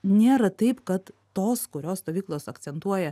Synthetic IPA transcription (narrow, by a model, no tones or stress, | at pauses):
nʲeːɾɐt̪ɐɪpkɐt̪ːoːskʊɾʲoːsst̪oːʋʲiːklˠoːsɐk̪sʲɛnt̪uɔjɛ